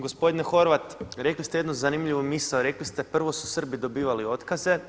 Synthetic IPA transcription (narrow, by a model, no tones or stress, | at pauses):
ɡospo̞d̪inexo̞ɾʋat̪ɾe̞klist̪ejed̪nozanimʎiʋomisaoɾe̞klist̪e̞pr̩ʋo̞su̥sr̩bid̪o̞biːʋalio̞t̪kaze̞